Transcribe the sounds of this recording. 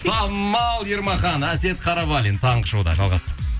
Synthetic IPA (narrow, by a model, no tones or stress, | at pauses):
sɑmːɑlˠjeɾmɑχɑnæse̞t̪qʰɑɾɑβɑlʲint̪ʰɑɴʁəʃowd̪ɑ̰ʒɑlˠʁɑst̪əɾməz